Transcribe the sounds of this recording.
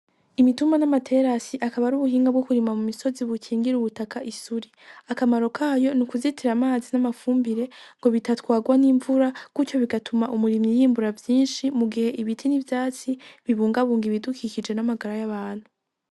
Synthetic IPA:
imitumanamatʰe̞ɾasiʔakaβaɾuβuhiːŋɡab̚ɡokuɾimamumiso̞ziβukʰiːŋɡiɾuβutakaʔisuɾiakamaɾo̞kʰaːjo̞nukuzitʰiɾamaːzinamafuːmbiɾe̞ŋɡo̞βitatkwaːɡwaniːɱvuɾakut͡ʃo̞βiɡatumaʔumuɾimijiːmbuɾavjiːnʃimuɡihe̞ʔiβitʰinivjaːt͡siβiβuːŋɡaβuːŋɡiβidukʰicid͡ʒe̞namaɡaɾajaβaːn̥hu

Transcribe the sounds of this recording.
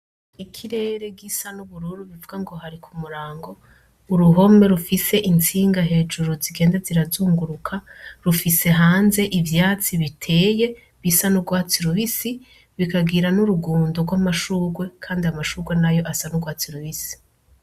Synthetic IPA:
ikʰiɾe̞ːɾe̞ɡisanuβuɾuɾuβivuɡaŋɡo̞ɦaɾikʰumuɾaːŋɡo̞ | uɾuɦo̞me̞ɾufise̞ʔint͡siːŋɡaɦe̞ːd͡ʒuɾuziɡe̞ːndaziɾazuːŋɡuɾukʰaɾufise̞ɦaːnze̞ʔivjaːt͡siβitʰe̞ːje̞ | βisanuɡwaːt͡siɾuβisi | βikaɡiɾanuɾuɡuːndoɡwamaʃuːɡwe̞kʰaːndiamaʃuːɡwe̞najo̞ʔasanuɡwaːt͡siɾuβisi̥

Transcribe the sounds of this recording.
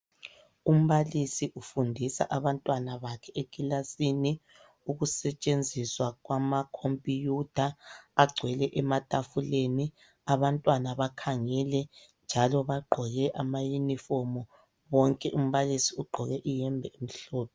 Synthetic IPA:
um̩βalisiʔufundʱisa̰ʔaβantʼwanaβakʰɛʔekʼilasini | uɣusɛt͡ʃʼend͡zʱiswaɣwamakʰompʼijud̥ʱaːɡ͡ǀʱwɛlɛʔɛmatʼafuleni | aβantʼwanaβakʰaŋɛlɛ | nd͡ʒʱalɔβaɡ͡ǃʱɔɣɛʔamajunifɔmɔ | βɔŋkʼɛʔum̩βalisiuɡ͡ǃʱɔɣɛʔijɛmbʱɛemiɬɔːpʰɔ

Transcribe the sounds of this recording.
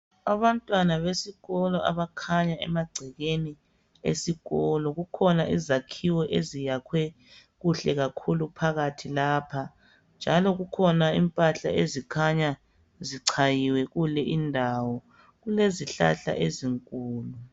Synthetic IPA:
aβantʼwanaβesiɣɔlɔʔa̰βakʰaɲaɛ̰maɡ͡ǀʱɛɣeni | ḛsiɣɔlɔɣukʰɔnaʔizakʰiwɛʔezijakʰwɛ | ɣuɬɛɣakʰulupʰaɣatʰilaːpʰa | nd͡ʒʱalɔɣukʰɔnaimpʼaɬa̰ezikʰaɲa | ziǀʰajiwɛɣulɛʔindʱawɔ | ɣuleziɬa̰ɬa̰ʔeziŋkʼuːlu

